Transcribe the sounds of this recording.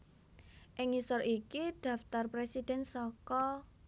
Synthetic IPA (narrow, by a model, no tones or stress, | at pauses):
ʔɪŋisɔrikid̪̥ä̤ft̪arpɾesid̪̥ɛ̤nsɔkɔ